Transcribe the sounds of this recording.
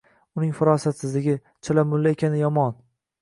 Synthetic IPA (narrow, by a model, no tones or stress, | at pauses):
ʊnɪŋfʊɾɒsat̪sɪzlɪɡʲɪ | t͡ʃʰalamʊlːaekʲʰanɪjɒmɒn